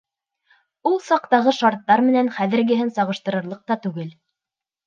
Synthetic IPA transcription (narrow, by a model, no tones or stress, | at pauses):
ulˠsɑq̚t̪ɑʁɤʃɑɾt̪ːɑɾmɘ̆nænχæðɘ̆ɾɡɘ̆ɦɘnsɑʁɤ̆ʃt̪ɤ̆ɾɤ̆ɾlˠɤq̚t̪ɑt̪ʉɡɘl